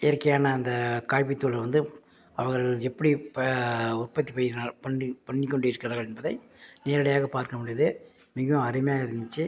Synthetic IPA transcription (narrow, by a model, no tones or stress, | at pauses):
ɪːɾkːɐjaːnɐːnd̪ɐkaːjp̬ːɪt̪ːuːlɐʋɐnd̪ɯ | ɐʋɐɣɐɭɛpːɐɽipʊrpɐt̪ːipɐjnaːɭpɐɳːpɐɳːɪkːɔɳɖɯɪɾɯkːɪɾɐɣɐɭɛnbɐðɐɪ | neːɾɐɽɐjaːɣɐpaːɾkɐmɪɽɪjɐðɯ | mɪɣɐɐ̃ɐɾɪmɐjaːɪɾɯnd̪ɯt͡ʃːɯ